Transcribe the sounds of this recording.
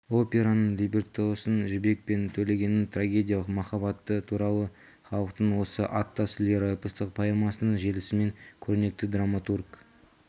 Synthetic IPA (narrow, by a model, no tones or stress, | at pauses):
o̞pʲe̞ɾanəɴlʲibʲert̪oosənʒɪbe̞k̚pe̞nt̪ʰɵle̞ɡʲe̞nɪnt̪ʰraɡʲe̞d̪ʲijɑlˠəqmɑχɑβɑt̪ːət̪ʰuɾɑlˠə | χɑlˠəq̚t̪əɴwo̞səʔɑt̪ːɑsɪleɾojpəst̪əq̚pʰajemɑsənəɴʒe̞lɪsɪme̞ŋkʲʰɵɾne̞k̚t̪ɪd̪ramat̪urk